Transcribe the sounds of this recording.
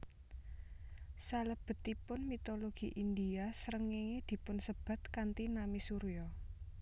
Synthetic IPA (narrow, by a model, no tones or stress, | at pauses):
saləb̥ə̤t̪ipʊnmit̪oloɡ̥iʔind̪iasəɾəŋeŋed̪̥i̤pʊnsəb̥a̤t̪kant̪inamisuɾijɔ